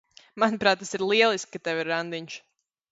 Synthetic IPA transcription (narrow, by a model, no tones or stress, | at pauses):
manupɾaːt̪ːasiɾlˠiɛlˠisk̚kat̪ɛwiɾːand̪iɲʃ